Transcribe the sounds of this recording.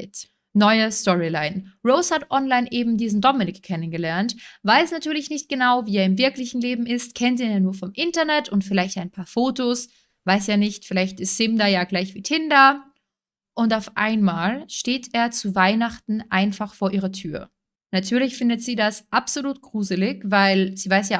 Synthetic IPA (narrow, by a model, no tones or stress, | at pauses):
t | nɔʏəstɔʁilaɪnʁoʊshatʔɔnlaɪnʔeːbm̩diːzn̩dɔmɪnɪkkʰːɛnənɡəlɛɐntvaɪsnatʰyːɐlɪçnɪçt̚ɡ̥ənaʊviːeːɐɪmvɪɐklɪçn̩leːbm̩ɪstkʰɛntiːjaːnuːɐfɔmʔɪntɐnɛtʰʊntfɪlaɪçtaɪnpʰaːɐfoːtos | vaɪsjaːnɪçtfɪlaɪçtɪstz̥ɪmdajaːɡlaɪçv̥iːtʰɪnda | ʔʊntaʊfʔa̰ɪnmaːlʃteːteːɐt͡suvaɪnaχtn̩ʔaɪnfaχfoːɐʔiːʁɐtʰyːɐ | natʰyːɐlɪçfɪndətz̥iːdasʔapz̥oluːtɡ̥ʁuːzəlɪçvaɪlz̥iːvaɪs̬jaː